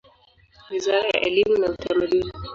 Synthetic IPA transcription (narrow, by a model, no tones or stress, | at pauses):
wizaɾaja̰ʔɛlimunautʰamaɗini